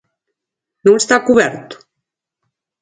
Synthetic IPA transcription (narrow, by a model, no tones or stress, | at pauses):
nũst̪akuβɛɾt̪u̥